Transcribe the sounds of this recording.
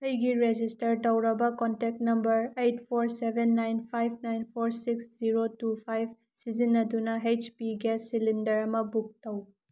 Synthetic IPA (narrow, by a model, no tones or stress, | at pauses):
ɐjɡiɾed͡ʒistɐɾdɐwɾɐbɐkɔntek̚tnɐmbɐɾejtpʰoɾsebʱenːajnpʰajbʰnajnpʰoɾsiksziɾotupʰajb | sizinːɐdunaɦet͡ʃpiɡɛsːilindɐɾɐmɐbuk̚tɐw